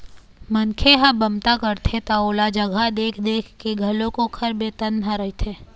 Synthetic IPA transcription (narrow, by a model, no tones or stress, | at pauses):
mənkʰeɦãbɐmt̪akəɾt̪ʰet̪aoːlad͡ʒəɡʱad̪eːkʰd̪eːkʰkeɡʱɐlõkokʰɐɾbeːt̪ənɦãɾɐit̪ʰeː